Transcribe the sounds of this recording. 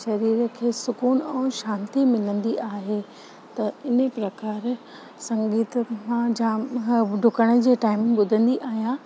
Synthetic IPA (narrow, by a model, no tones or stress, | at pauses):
ʃɐɾiːɾə̆kʰeːsʊkuːnɛ̃ːʃãːnt̪imɪlə̃nd̪iʔaːɦe | t̪ɐɪnə̆pɾɐkaːɾ | sɐ̃ŋɡiːt̪əmãd͡ʑaːɖʱʊkəɽ̃ə̆d͡ʑeːʈaːɪmɓʊd̪ʱə̃nd̪iʔaːɦijãː